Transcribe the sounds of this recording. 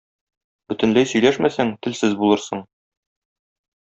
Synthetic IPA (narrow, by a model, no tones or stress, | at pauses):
bɵ̆t̪ɘ̆nlæjsɵ̆jlæʃmæsæŋt̪ɘ̆lsɘzbulˠɤɾsɤɴ